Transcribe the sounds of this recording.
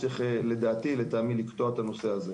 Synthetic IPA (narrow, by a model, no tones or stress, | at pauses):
iχele̞d̪aːt̪ilet̪aːmilikt̪oat̪ano̞se̞aze